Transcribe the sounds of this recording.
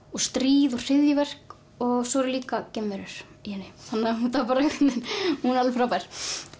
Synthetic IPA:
ɔɣst̪ɾiːðʊ̥r̥ɪðjɪvɛr̥k | ɔɣsɔːɾɪliːkacɪmːɛɾʏɾ̥ | jɛnːɪθanːauθapaːɾaʏknɪnhunalfɾawpajɾ̥

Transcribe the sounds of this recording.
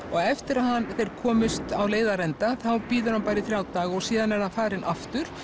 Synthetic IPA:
ɔɣɛft̪ɪɾaðhanθejɾ̥kʰɔːmʏst̪awleːjðaɾɛnt̪aθawpiːðʏɾhanpaːjɾɪθɾjaːwt̪aːɣɔɣsiːðanɛɾhanfaːɾɪnʔaft̪ʏɾ̥

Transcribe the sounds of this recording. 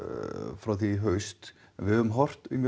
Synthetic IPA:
fɾawθiɦœɥst̪ | ɛnvɪhœvʏmɦɔr̥t̪ʏ̰mj

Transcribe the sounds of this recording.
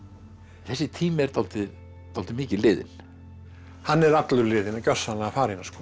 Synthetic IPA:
θɛsːɪt̪ʰiːmɪɛɾ̥t̪ʰalt̪ɪ | t̪ʰalt̪ɪmɪːcɪlɪːðɪ̰n | hanːɛɾat̪lʏɾlɪːðɪnacœ̥sanaafaːɾinːaskɔ

